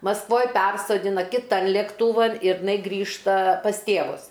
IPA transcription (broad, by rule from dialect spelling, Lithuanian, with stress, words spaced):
mɐsˈkʋoːj ˈpʲɛrsoːdʲɪnɐ kʲɪˈtɐn lʲeːkˈtuːʋɐn ɪr ɪˈnɐɪ ˈɡrʲiːʃtɐ pɐs ˈtʲeːʋʊs